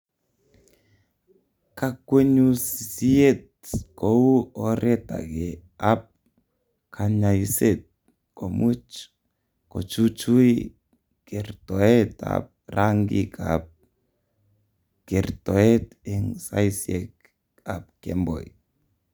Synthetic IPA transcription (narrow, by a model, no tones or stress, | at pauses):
kakweɲussiet̚ | kouɔɾɛta̰ɡeap̚ | kʰaɲaiset̚ | komut͡ʃ | kot͡ʃut͡ʃui | kɛrtɔɛta̰p̚raŋɡika̰p̚ | kɛrtɔet | ɛŋsa̰isiek | ap̚kɛmbɔ̰j